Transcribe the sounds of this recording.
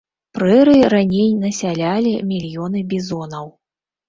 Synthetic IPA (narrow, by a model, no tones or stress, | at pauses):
pɾɛɾɨɾanʲejnɐsʲalʲalʲimʲilʲjɔnɨbʲizɔnɐw